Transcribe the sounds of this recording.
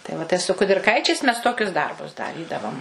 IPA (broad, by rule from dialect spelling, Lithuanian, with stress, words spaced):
tɐɪ ˈʋɐ tɐɪ sʊ kʊdʲɪrˈkɐɪt͡ʃʲɛɪs ˈmʲɛs ˈtoːkʲʊs ˈdɐrbʊs dɐˈrʲiːdɐʋoːm